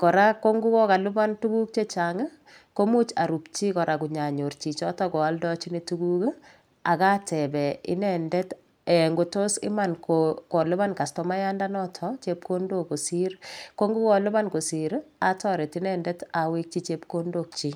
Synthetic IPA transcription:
kɔ˨ɾa˦ko˦ŋɡu˦kɔ˦ka˨lu˦ba˦ntu˦ku˦k̚t͡ʃe˦t͡ʃa˨ŋə˦ | ko˦mu˦t͡ʃa̰˨ɾu˨pt͡ʃi˦kɔ˨ɾʔa˨kuɲa˨ɲo˨ɾt͡ʃi˨t͡ʃɔ˦tɔkɔ˨a˦ldɔ˦t͡ʃi˦ni˦tu˦ɡuk | a˨ka˦tʰɛ˨bɛ˨ɪ̰˦nɛ˨ndɛ˦t | e˨ŋɡo˨to˦sɪ̰˦ma˨nkokɔ˨lu˦βa˦nka˨stɔma˦ja˦nda˦nɔ˦tʰɔt͡ʃe˦p̚kondo˦ko˨si˦ɾko˦ŋɡu˦kɔ˨lʊ˦βa˦nko˨si˨ɾa˦tɔ˦ɾɛ˨ti˦nɛ˦ndɛ˦tawe˦k̚t͡ʃi˦t͡ʃep̚kondo˨k̚t͡ʃi˦

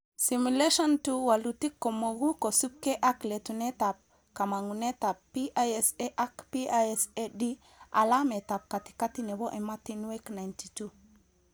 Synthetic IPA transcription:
simuleʃɔ˦ntuwa˨luti˦kːo˨mo˨ɡu˦ko˨su˦p̚ke˦ʔa˦kle˨tune˦tap̚ | ka˨maŋu˨ne˦ta˨ppːiʔajeseʔa˦kpi˦aesedi | ʔa̰˨lame˨ta˨p̚ka˨ti̥˨ka˦ti˦ne˨bo˦ʔe˨ma˦tinwekna˨jntitu

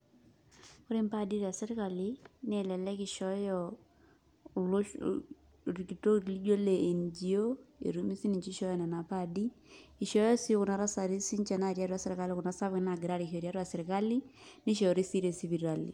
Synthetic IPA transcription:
kʊ˦ɾe˦mpa˦di˦ɾi˨a˨sɪ˦ɾɪ˦ka˨li˦ne˦lɛ˨lɛ˦kɪ˨ʃɔ˦jɔ | l | ri˨ki˨to˦ɾli˦d͡ʒo˦le˨e˨nd͡ʒi˨o˦ḛ˨ɾu˦mi˦si˦nɪ˨ɲt͡ʃi˦ʃɔ˦jɔ˦nɛ˨na˨pa˦di˦ɪ˨ʃɔ˦jɔ˦si˦kʊ˨na˦ɾa˦sa˨ɾi˦si˦ɲt͡ʃɛ˨na˦˨ɾja˦ɾwa˨sɪ˨ɾɪ˨ka˦lɪ˦kʊ˨na˦sa˦bkɪ˦na˨ɡɪ˨ɾa˦ɾi˨kɔ˨ɾja˦ɾwa˨sɪ˨ɾɪ˨ka˦li˦nɪ˦ʃɔ˨ɔ˨ɾi˦si˦ɾe˨si˦βi˨ɾa˨lḭ˨

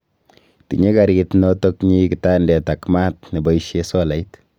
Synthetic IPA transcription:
tḭ˨ɲe˦ka˨ɾitnɔ˦to˦kɲi˦kita˦ndɛ˨ta˨kma˦t̚ni˨ba˦iʃe˦sɔ˦la˨it

